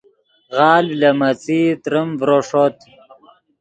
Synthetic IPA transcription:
ɣɑːllɐmɐt͡sit̪ɾəmvɾoʂot̪

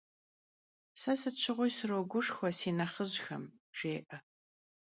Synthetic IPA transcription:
sɐsɨt͡ʃʷʰɪʁʷʊjsɨroːɡʷʊʂxʷɔsiːnɐχəzxɐ̰m | ʈ͡ʂeːʔɐ

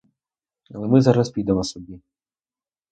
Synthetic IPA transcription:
ɐ̰lˠɛmɪzɑɾɐspʲid̪ɛmɔsɔbʲi

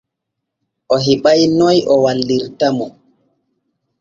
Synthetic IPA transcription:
ʔɔɦiɓajnɔjʔɔwaldiɾtamɔ

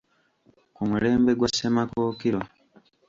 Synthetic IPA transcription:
kumule̞ːmbe̞ɡwasemakoːkiɾo

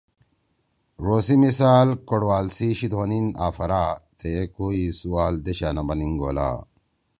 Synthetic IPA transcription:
ɾoːsimisaːlkoɽwaːlsiɕit̪woninaːfɐɾaːt̪ʰekoisuwaːld̪eɕaːnɐbɐniŋɡo̰ːla̰ː

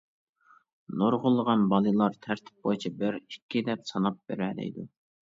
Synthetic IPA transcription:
noɾʁʊlˠːəʁɑnbɑlˠɨlˠɑɾt̪ʰæɾt̪ʰɪ̥p̚bojt͡ʃʰibɪɾikʲʰːid̪ɛp̚sɑnɑp̚bḛɾɛlɛ̰jd̪u

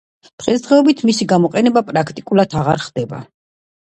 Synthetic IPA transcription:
d̪̥ʁɛsd̪ʁɛɔbit̪ʰmisiɡamɔqʼɛnɛbapʼɾakʰt̪ʼikʼulˠad̪ʰaʁaɾχd̪ɛba̰

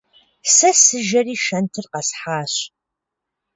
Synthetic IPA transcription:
sɐsɨʒɐriːʃɐntʰɨrqɐsħaːɕ

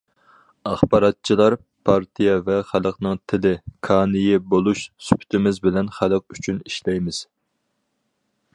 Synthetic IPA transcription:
ɑχbɑɾɑt̪̚t͡ʃʰilˠɑɾ | pʰɑɾt̪ʰijɛvɛχælˠəqnɨŋt̪ʰɪlɪkʰɑːnɪjɪbolˠuʃsy̥pʰy̥t̪ʰɪmɪzbɪlɛnχælˠəq̚yt͡ʃʰyniʃlɛjmɪz̥

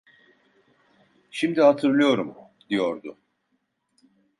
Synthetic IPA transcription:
ʃimd̪ihat̪ʰɯɾlˠɯjo̞ɾum | d̪̥ijo̞ɾd̪ʊ

